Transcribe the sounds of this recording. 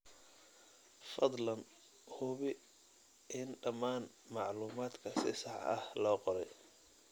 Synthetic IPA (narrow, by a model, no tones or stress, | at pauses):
fɐd̪ˤlɐn | hʊβɪ | ʔɪnɖɐmaːn | mɑʕluːmaːd̪kʰɐsɪsɑʕɐ̰hlɔːqɔɾɛj